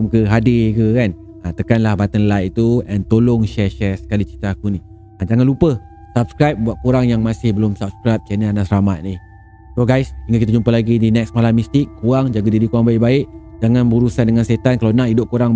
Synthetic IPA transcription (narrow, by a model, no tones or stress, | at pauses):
mkəɦadɪkəkan | at̪əkanlahbat̪ənlajʔ̚t̪uɛnt̪olʊŋʃɛʃɛsə̥kalit͡ʃit̪aːkuni | ad͡ʒaŋanlupə | sap̚skɾajp̚buat̪̚kuɾaŋjaŋmasɪhbəlʊmsap̚skɾajp̚t͡ʃɛnəanasəɾamat̪̚nih | soɡajsd͡ʒiŋakit̪ad͡ʒumpalaɡidinɛksmalamist̪ɪkːuaŋd͡ʒaɡadidikuaŋbaɪʔbaɪʔd͡ʒaŋãnbəuɾusandəŋanset̪ankalawnahidʊʔ̚kuɾaŋ